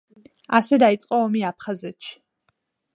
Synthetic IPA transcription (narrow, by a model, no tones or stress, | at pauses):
asɛd̪ait̪sʼqʼɔɔmiapʰχazɛt̪ʃi̥